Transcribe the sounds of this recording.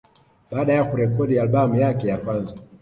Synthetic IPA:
ɓaːɗajakuɾɛkɔɗialɓamujakɛjakwanza

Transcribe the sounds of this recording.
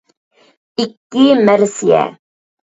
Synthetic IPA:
ikːɪmæɾsiæ̰

